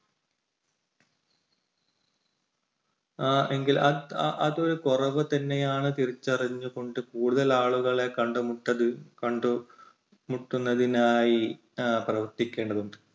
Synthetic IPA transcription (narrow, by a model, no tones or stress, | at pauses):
eŋɡilɐʔɐðo̞ɾukorɐʋɨt̪ɐnːejaːɳɨt̪iɾit͡ɕːɐriɲːuɣo̞ɳɖɨkuːɽuðɐlaːɭuɣɐɭe̞kɐɳɖɨmuʈːɐðɨkɐɳɖu | muʈːunːɐðinaːji | prɐʋɐrt̪ikʲːe̞ːɳɖɐðuɳɖɨ